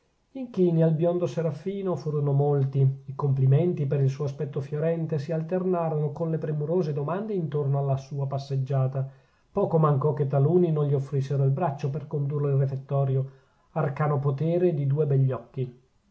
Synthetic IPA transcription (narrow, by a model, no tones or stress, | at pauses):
iŋkiːnialbjond̪oseɾafːiːnofuːɾonomolt̪iikomplimɛnt̪ipeɾilsuːoaspɛt̪ːofjoɾɛnt̪esialt̪ernaːɾonokonlepɾemuɾoːzed̪omand̪eint̪ornoalːasuːapasːed͡ʒːaːt̪a | pɔːkomaŋkɔk̟ːet̪ːaluːninonʎiofːɾisːeɾoilbɾat͡ʃːoperkond̪ureilrefet̪ːɔːɾjo | arkaːnopot̪eːɾed̪id̪uːebɛʎːɔkːi